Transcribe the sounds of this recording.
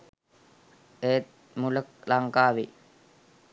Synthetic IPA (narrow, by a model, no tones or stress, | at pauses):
eːt̪̚ | mulək̚laŋkaːʋi